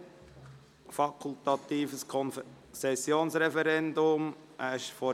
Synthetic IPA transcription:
fɑkʰult̪ɑt̪iːfəskʰɔn | sɛsjoːnsɾɛfɛɾɛnd̪ʊm | ʔæʃfɔ

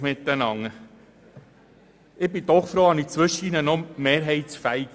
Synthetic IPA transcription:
mɪt̪ːənɑŋːə | ɪbɪd̥̪ɔχfɾoːɑnit͡sʋɵʃəinənɔmeːɾɦɛɪt͡sfæɪɡ

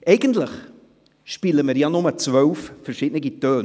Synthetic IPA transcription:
ʔeɪɡəntləχ | ʃpiːləməɾjɑnʊmət͡svœlffɛɾʃɪdnɪɡitøːn

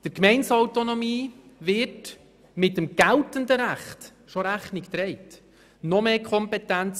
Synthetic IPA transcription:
d̥əɾkmɛɪnsɑwt̪onomiːʋɪt | mɪtːəmɡ̥æltənd̪əɾæχt | ʃoɾæχnɪkt̪ɾɛɪt | nɔmeːkʰɔmpɛt̪ænt͡s

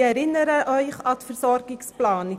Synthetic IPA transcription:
æɾɪnəɾəʔœjχɑtfərsɔrɡɪŋsplɑːni

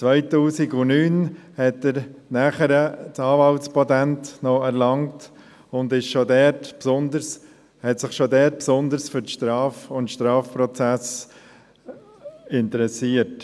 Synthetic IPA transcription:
t͡svœɪtuːsiɡʊnyːnhɛtəɾnæːχəɾətɑːvɑltspɔdæntnɔɛɾlɑŋt | ʊndɪʃʃodɛtpsʊndəɾs | hɛtsɪχʃodɛt̚psʊnd̪əɾsfʏɾtʃtɾɑːfʊnʃtɾɑːfpɾɔt͡sæs | ɪntəɾɛsiːət

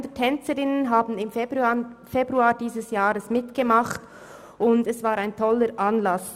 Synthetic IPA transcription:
ndətʰɛnt͡səɾɪnənɦaːbn̩ɪmbfebʁuaːɾdiːzəsjaːʁəsmɪtɡ̥əmaχt | ʊndɛsv̥aːɾaɪntʰɔləɾʔanlɑs

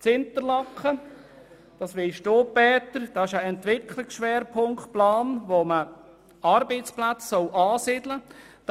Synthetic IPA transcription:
t͡sɪnt̪əɾlɑkχə | d̥ɑsʋɪʃtoːpːɛːt̪əɾd̥ɑːɪʃəɛntʋɪkʰlɪksʃʋɛːɾpʰʊŋkplɑːnʋomə | ɑɾbet͡splat͡ssɔlʔɑːsɪdləd̥

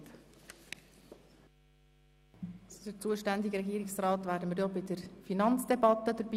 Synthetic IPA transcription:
t | t͡sd̥ət͡suəʃtænd̪ɪɡəɾɛɡiːɾɪksrɑːt̪ʋæːɾdəmiɾjobɪdəɾfinɑnt͡sd̥ɛbɑt̪əd̥̪əɾbiː

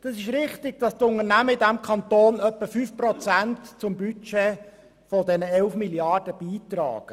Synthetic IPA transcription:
d̥ɑsɪʃɾɪχtɪɡ̥̚d̥ɑst̪ʊŋənæməɪdæmkʰɑnt̪oːnœpːəfyfprɔt͡sæntt͡sʊmbyt͡ʃe | fɔdɛnəɛlfmiljɑd̥əb̥iːt̪rɑ̰ːɡ̥ə

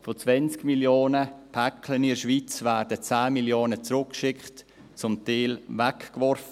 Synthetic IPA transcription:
fot͡svɛnt͡skmiljoːnəpʰɛkʰlənɪʃʋit͡svæːɾdət͡sæːmiljoːnət͡sɾʊkkʃɪkχt | t͡sʊmtɛːlvɛkkvɔɾfə

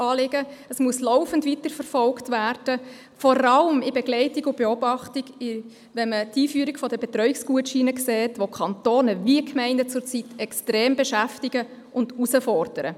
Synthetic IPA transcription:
ɑːlɪɡəəsmuəslɔʊfəntvitəɾfərfɔlktʋæːrd̥ə | fɔɾɑləmɪbeɡlɛɪtiɡʊb̥eɔbɑχtiɡɪ | ʋɛnmətiːfyːɾikfɔdəbetɾœɥɪksɡ̥uətʃiːnəkseːtʋokʰɑntoːnəviəkmɛɪndət͡sʊɾt͡sitɛkstɾeːmbeʃæftɪɡ̥ə | ʔʊndusəfɔrd̥əɾə̰

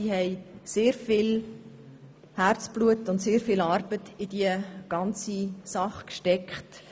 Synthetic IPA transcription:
ihɛɪseːɾfɪl | hært͡sb̥luətʊntseːɾfɪlɑɾb̥ətɪd̥iəɡ̥ɑnt͡sisɑχkʃtɛkχt

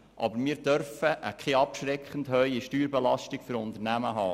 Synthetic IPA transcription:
ʔɑ̰bəɾmiːɾdœɾfəʔəkʰχeɑpʃɾɛkχən̩dhœʏiʃtyːɾbɛlɑʃtikfʏɾʊnd̪əɾnæməɦɑː

